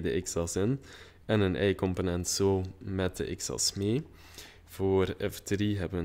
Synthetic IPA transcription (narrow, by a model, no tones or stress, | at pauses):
d̪ə̰ʔɪksɑsɪn | ɛnənʔɛ̰ɪkʰɔmponɛnt̪soːmɛt̪̚d̪ə̰ʔɪksɑ̰smeː | fɔɾɛft̪ʰɾiːɦɛbə